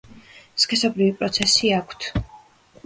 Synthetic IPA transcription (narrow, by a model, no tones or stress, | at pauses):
skʰʼɛsɔbɾivipʼɾɔt̪sʰɛsiakʷʰt̪ʰ